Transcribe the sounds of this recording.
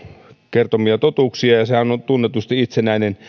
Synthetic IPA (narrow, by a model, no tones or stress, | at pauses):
kert̪omiɑt̪ot̪uˑksiɑjɑsehænont̪unːet̪ust̪iit̪senæˑinen